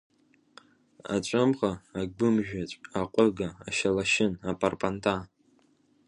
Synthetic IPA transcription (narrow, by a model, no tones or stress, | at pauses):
a̰t͡ʃʷʼɨmʁaːɡʷʊmʒᶣat͡ɕʷʼaqʷʼəɡaːʃalaʃɪnapʼarpʼantʰʼa